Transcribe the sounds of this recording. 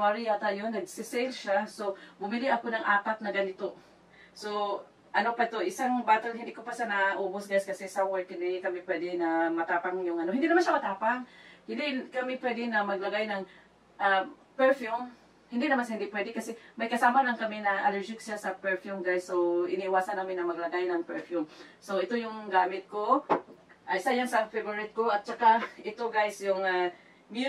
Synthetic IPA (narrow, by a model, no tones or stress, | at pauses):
maɹiat̪ajonɐɡ̚sɪsɛlʃasobʊmɪlɪʔɐkonɐŋʔaːpat̪̚nɐɡɐnɪt̪o | so | ʔɐnopɛd̪̚t̪oʔɪsaŋbaːt̪anhɪnd̪ikopaʃanɐʔoːbosɡajskɐsɛsawɛɹkɪnd̪ɪkɐmɪpwɛːd̪ɛnɐmɐt̪aːpaŋjʊŋʔɐnohɪnd̪iʔnɐmanʃamɐt̪aːpaŋhɪnd̪ɪkɐmɪpwɛd̪ɛnɐmɐɡ̚lɐɡajnɐŋ | ʔa | pɛɹfjum | hɪnd̪ɪnɐmanhɪnd̪ɪpwɛd̪ɛkɐsɛmɐjkɐsaːmɐlɐŋkɐmɪnɐʔɐlɛɹd͡ʒɪksasɐpɛɹfjumɡajsːowɪ̰niʔɪwaːsɐnːaːmɪnːɐŋmɐɡlɐɡajnɐŋpɛɹfjumsoɪt̪ojʊŋɡaːmɪt̪̚ko | ʔɐjsajansɐfɛvoɹɪt̪̚koʔɐt̪̚t͡ʃɐkaʔɪt̪oɡajsjʊŋa | mj